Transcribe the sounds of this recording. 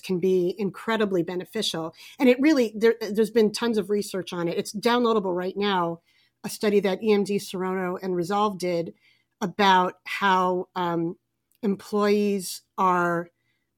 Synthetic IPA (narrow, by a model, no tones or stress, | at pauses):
kʰn̩biɪ̃nkʰɹ̥ɛɾɨblibɛnɨfɪʃl̩ˠɨ̃ɾ̃ɨt̚ɹɪlˠiðə˞ðə˞zbɨ̃ntʰʌ̃ɪ̃mzʌvɹisɜ˞t͡ʃn̩ɨɾɨtsd̥ãʊ̃nloʊɾəbl̩ˠɹaɪtⁿnaʊ | ɨstʌɾiðɨɾiɛ̃mdisə˞õʊ̃ñoʊʔɨ̃nɹɨzɑlˠvdɪɾ | əbaʊt̚haʊʌ̃ | ɨ̃mpʰl̥ɔɪizə˞